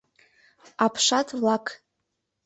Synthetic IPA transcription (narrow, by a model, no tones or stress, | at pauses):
apʰʂatʰʼlakʰʼ